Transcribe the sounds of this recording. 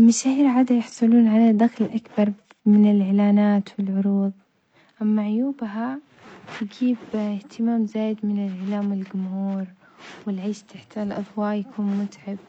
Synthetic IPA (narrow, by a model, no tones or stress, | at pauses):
maʃaːhiːɾʕaːd̪ajɑħsˤʊluːnʕalad̪axlʔakbɑɾˤ | mɪnɪlʕɪlaːnaːt̪wɪlʕʊɾuːðˤ | ʔamːaʕʊjuːbɦa | tɪɡiːbɪht̪ɪmaːmzaːjɪd̪mɪnɪlʕɪlaːmwɪlɡʊmhuːɾ | wɪlʕeːʃt̪ʰaħt̪alʔɑd̪ˤwɑːʔjakʰuːnmʊt̪ʕab̚